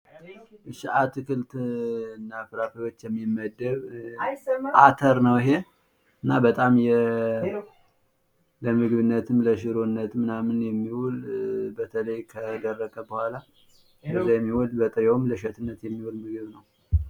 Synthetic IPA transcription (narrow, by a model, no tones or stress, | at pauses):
ʔɨʃiʔat̪kɨlt̪ɨnːafɨɾafijo̞t͡ʃːjɛmːimːəd̪ːəβ | ʔat̪ʰəɾnəwiɦe̞ | ɨnːabət̪ʼamjɛ | ləmɨɡβɨnːət̪ʰɨmləʃɨɾonːət̪mɨnamɨnjɛmːiwulbət̪ʰələjkʰəd̪ərːəkʼəbəhʷala | bəzajɛmːiwulbət̪ʼɨɾewmləʃət̪ʰɨnːət̪jɛmːiwulmɨɡɨβnəw